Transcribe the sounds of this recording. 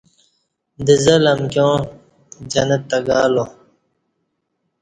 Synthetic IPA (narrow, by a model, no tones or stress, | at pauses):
d̪əzɐlɐmkjõː | d͡ʑɐnɐt̪ːɐɡaːlo